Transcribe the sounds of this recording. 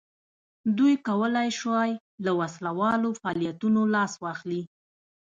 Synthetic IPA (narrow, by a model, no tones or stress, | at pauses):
d̪ujkawəlajʃwaj | lawaslawɑlofɑɑːlijat̪unolɑswɑxli